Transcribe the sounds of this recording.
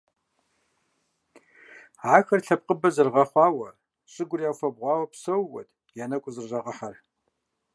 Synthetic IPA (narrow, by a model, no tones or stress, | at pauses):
ʕaːxɐrɬɐp̚qʼəbɐzɨrʁɐχʷɑːwɐ | ɕʼɪɡʷʊrijaːwfɐbʁʷɑːwɐpsɐwːɐ̰dʰʼ | jaːnɐkʷʼʊzɨrʒɐʁɐħar